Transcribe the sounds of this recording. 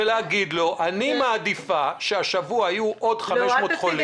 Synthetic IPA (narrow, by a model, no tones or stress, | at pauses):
elaːɡid̪lo̞ʔanimaːd̪ifaʃeaʃavuaajuʔo̞dχameʃmmo̞ːt̪χoli